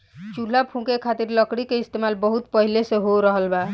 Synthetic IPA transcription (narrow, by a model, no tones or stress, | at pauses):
t͡ʃul̤lapʰũkekʰat̪iɾləkɽikeist̪emalbəɦut̪̚pəɦilesẽɦoɾəɦəlba